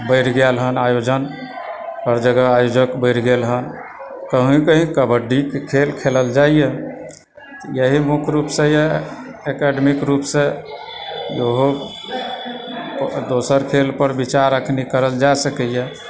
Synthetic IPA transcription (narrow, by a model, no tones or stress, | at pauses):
bəjɽɡelɦənajod͡ʒən | pəɾd͡ʒəɡəajod͡ʒəkbəɽɡelɦənkəɦĩkəɦĩkəbəɖikekʰelkʰeləld͡ʒaijɛ | t̪ɔjəɦimukʰɾupsẽje | ekɛɖmikɾupsẽ | joɦo | d̪osəɾkʰelpəɾbit͡ʃaɾəkʰnikəɾəld͡ʒasəkəjɛ